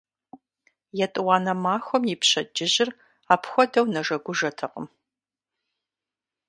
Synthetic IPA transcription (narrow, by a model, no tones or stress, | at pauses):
jɛtʼɨwɑaːnɐmaːxʷɔmjɪpɕɐd͡ʒɪʑɪr | aːpʰxʷɔdɐwnɐʐɐɡʷʊʒɐtʰɐqə̰m